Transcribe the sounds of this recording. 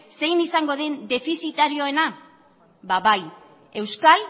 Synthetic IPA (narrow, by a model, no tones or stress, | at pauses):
se̞jnisaŋɡo̞ðend̪e̞fisit̪aɾio̞e̞na | baβaj | e̞wskal